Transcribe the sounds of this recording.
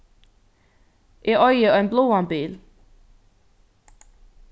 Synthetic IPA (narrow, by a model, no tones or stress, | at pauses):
ʔeʔɒɪəɒ̽enbloːɑnb̥eːl